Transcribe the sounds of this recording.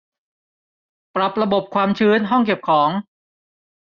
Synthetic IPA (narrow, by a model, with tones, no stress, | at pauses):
pɾa˨˩p̚ɾa˧bo˨˩p̚kʰwaː˧mt͡ɕʰɯː˦˥nɦɔ˥˩ŋke˨˩p̚kʰɔː˩˦ŋ